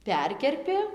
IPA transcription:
ˈpʲɛrʲkʲɛrʲpʲɪ

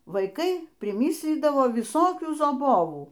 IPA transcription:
ʋɐɪˈkɐɪ pʲrʲɪˈmʲɪsʲlʲiːdɐʋoː ʋʲɪˈsoːkʲuː zɐˈboːʋuː

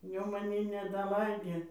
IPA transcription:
ˈjɛʊ mɐˈnʲiː nʲɛdɐˈlˠɐɪdʲeː

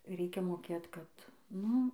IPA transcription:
ˈrʲɛɪkʲɛ moːˈkʲeːt kɐt ˈnʊ

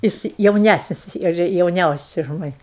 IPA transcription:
ˈjɪs jɛʊˈnʲæsʲnʲɪs ɪr jɛʊˈnʲɛʊsʲɛs ʊʃ ˈmɑːnʲɪ

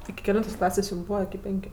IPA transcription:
ɪkʲɪ kʲɛˈlʲɛntoːs ˈklˠɑːsʲeːsʲ jʊm ˈbuːʋɐ ɪkʲɪ ˈpʲɛŋʲkʲʊ

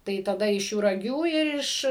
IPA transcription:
tɐɪ tɐˈdɐ ɪʃ jʊrɐˈɡʲuː ɪr ˈɪʃ

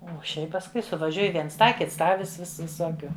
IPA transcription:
ˈuɔ ˈʃʲɛɪp pɐsˈkʊɪ sʊʋɐˈʒʲuɔj ˈʋʲiɛns ˈtɑː ˈkʲɪts ˈtɑː ʋʲɪs ˈʋʲɪs ʋʲɪˈsoːkʲʊ

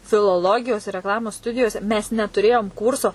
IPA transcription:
fʲɪlˠoːˈlˠoːɡʲɪjoːs ɪr rʲɛkˈlˠɑːmoːs ˈstʊdʲɪjoːsʲɛ mʲɛs nʲɛtʊˈrʲeːjoːm ˈkuːrsoː

